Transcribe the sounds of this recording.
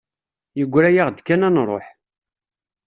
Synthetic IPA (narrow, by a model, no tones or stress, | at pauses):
jəɡʷːɾæjaʁd̪kːænænɾˤo̰ħ